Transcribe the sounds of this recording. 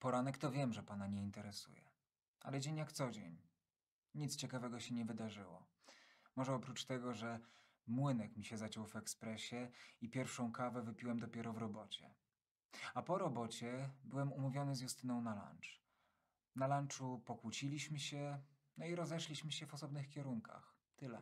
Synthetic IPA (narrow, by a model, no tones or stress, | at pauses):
pɔɾanɛkt̪ɔvʲjɛmʐɛpanaɲɛint̪ɛɾɛsṵjɛ̰ | a̰lɛd͡ʑeɲjakt̪sɔd͡ʑḛɲ | ɲit̪st͡ɕɛkavɛɡɔɕɛɲɛvɘd̪aʐɘwɔ̰ | mɔʐɛɔpɾut͡ʂt̪ɛɡɔʐɛ | mwɘnɛkmʲiɕɛzat͡ɕɔwvɛkspɾɛɕɛipʲjɛɾfʂɔ̃w̃kavɛvɘpʲiwɛmd̪ɔpʲjɛɾɔvɾɔbɔt͡ɕɛ̰ | apɔɾɔbɔt͡ɕɛbɘwɛmumuvʲjɔnɘzʲjust̪ɘnɔ̃w̃nala̰nt͡ʂ | nalant͡ʂupɔkwut͡ɕilʲiɕmɘɕɛ | nɔiɾɔzɛʂlʲiɕmɘɕɛvɔsɔbnɘxkʲɛɾuŋkʰa̰x | t̪ɘlɛ̰